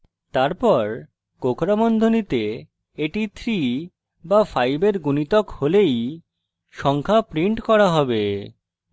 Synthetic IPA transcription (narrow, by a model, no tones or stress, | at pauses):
t̪aɾpɔɾ | kokʰɾamond̪ʱonit̪e | eʈit̪ʰɾi | bafʰajbeɾɡunit̪okholej | ʃɔŋkʰapɾiɳʈkɔɾaɦɔbe